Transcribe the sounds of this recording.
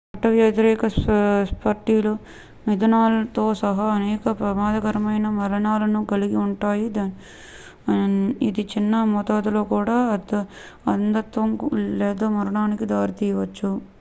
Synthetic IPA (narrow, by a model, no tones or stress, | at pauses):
ɐʈːɐʋjɐt̪ɐɾɛːkɐsspɐɾʈiːlu | mid̪ɐnaːlɐt̪o̞ːsɐɦɐɐnɛːkɐpɾɐmaːd̪ɐkɐɾɐmɐjnɐmɐɾɐɳaːlɐnuɡɐliɡiuɳʈaːjid̪a | id̪it͡ʃinːɐmɔːt̪aːd̪ulo̞ːkuːɽaːd̪ | ɐnd̪ɐt̪ʋɐŋkleːd̪oːmɐɾɐɳaːnikid̪aːɾit̪iːjɐʋɐt͡ʃːu